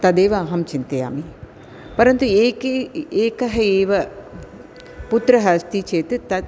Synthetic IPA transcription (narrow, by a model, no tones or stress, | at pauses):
t̪ɐd̪eːʋɐːɦɐmt͡ʃint̪ɐja̰ːmi | pɐɾɐnt̪ueːkeeːkɐɦɐeːʋɐ | put̪ɾɐɦɐst̪it͡ʃeːt̪ɨt̪ɐ